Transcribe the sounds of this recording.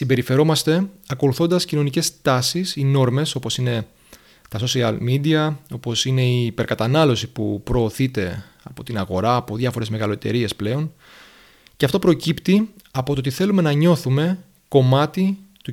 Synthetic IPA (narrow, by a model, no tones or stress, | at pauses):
simbe̞ɾife̞ɾo̞mɐst̪e̞ɐko̞luθo̞nd̪ɐscino̞nice̞st̪ɐsisino̞ɾme̞so̞po̞sine̞ | t̪ɐso̞siɐ̰lmid̪iɐo̞po̞sine̞iːpe̞ɾkɐt̪ɐnɐlo̞sipupɾo̞ːθit̪e̞ | ɐpo̞t̪inɐɣo̞ɾɐːpo̞ðʝɐfo̞ɾe̞zme̞ɣɐloet̪e̞̰ɾie̞sple̞o̞n | ceɐft̪o̞pɾo̞cipt̪iɐpo̞t̪oot̪iθe̞lume̞nɐɲo̞θume̞ | ko̞mɐt̪it̪u